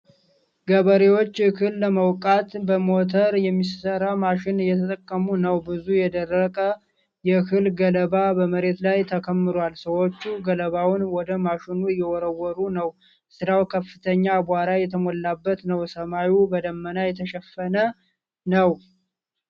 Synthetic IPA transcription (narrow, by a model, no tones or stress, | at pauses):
ɡəβəɾewo̞t͡ʃːkʰɨlːəməwkʼat̪bəmo̞t̪ʰəɾjɛmːisəɾamaʃɪnjːɛt̪ʰət̪ʼəkʼːəmunəwbɨzujɛd̪ərːəkʼə | jɛkʰɨlɡələbabəməɾe̞t̪lajt̪ʰəkʰəmːɨɾalsəwo̞t͡ʃːuɡələβawʊnwɔd̪əmaʃɪnujːɛwɔɾəwɔɾunəw | sɨɾawkʰəfːɨt̪ʰəɲːabaɾajɛt̪ʰəmolːabːət̪nəwsəmajubəd̪əmːənajɛt̪ʰəʃɛfːənə | nəw